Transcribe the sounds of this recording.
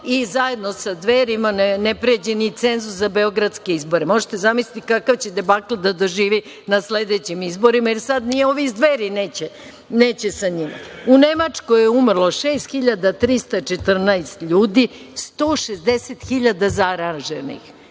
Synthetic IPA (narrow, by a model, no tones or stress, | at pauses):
izaje̞d̪no̞sad̪ʋeːɾimanenepɾied͡ʑenit̪senzuszabe̞o̞ɡɾat̪ske̞izbo̞ɾemo̞ʒe̥t̪ezamislit̪ikakaʋt͡ɕe̞d̪ebaklad̪ad̪oʒiːʋi | nasled̪et͡ɕimizbo̞ɾimajeɾsad̪nijeo̞ʋizd̪ʋeːɾineːt͡ɕe | neːt͡ɕesaɲima̰une̞mat͡ʂkojeumr̩lˠo̞ʃeːst̪xiʎad̪at̪ɾist̪at͡ʃet̪r̩naest̪ʎuːd̪ist̪oːʃezd̪eset̪xiʎad̪azaɾanʒenḭx